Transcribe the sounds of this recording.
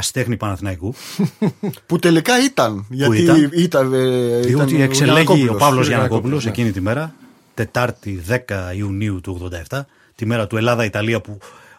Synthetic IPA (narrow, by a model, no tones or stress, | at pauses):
ɐst̪e̞xnipɐnɐθinɐiku | put̪e̞likɐit̪ɐnʝɐtiiɐit̪ɐet̪ekseleʝoiopɐvllo̞zʝɐnɐko̞pulo̞s̬ecinit̪ime̞ɾɐ | t̪e̞t̪ɐɾt̪iðe̞kɐiuniut̪uoɣðo̞nd̪ɐeft̪ɐ | t̪ime̞ɾɐt̪ue̞lɐðɐit̪ɐliɐpu